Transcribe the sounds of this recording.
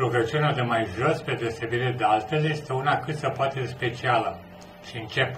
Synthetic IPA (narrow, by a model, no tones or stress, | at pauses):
luɡət͡ʃiunead̪emajʒo̞sped̪eosebiɾed̪ealt̪elje̞st̪e̞unakɨt̪səpoat̪espe̞t͡ʃialə | ʃiɨnt͡ʃe̞p